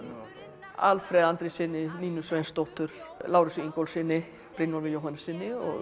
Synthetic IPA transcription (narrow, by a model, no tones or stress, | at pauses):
a̰lfɾɛːðant̪ɾɪsɪnːɪniːnʏsvejnst̪owht̪ʏɾ̥laːwɾɪsiiŋkowlsɪnːɪ | pɾinɔlvɪjowhanɪsɪnːɪɔ̰ɣ